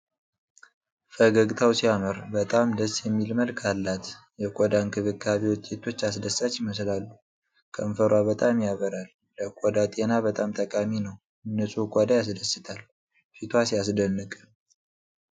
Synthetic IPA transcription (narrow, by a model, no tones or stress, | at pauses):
fəɡəɡt̪ʰawsijaməɾbət̪ʼamd̪əsjɛmːilməlkʰalːat̪ | jɛkʷʼɔd̪ankʰɨβɨkʰʼːaβiwɔt͡ʃ̪ʼːet̪ʰo̞t͡ʃːas̬d̪əsat͡ʃjɪməslalːu | kʰəmfəɾwaβət̪ʼamjaβəɾalːəkʷʼɔd̪at̪ʼenaβət̪ʼamt̪ʼəkʼaminəw | ɨnːəsʼukʼɔd̪ajas̬d̪əsːɨt̪ʰal | fit̪ʰwasijas̬d̪ənːɨkʼ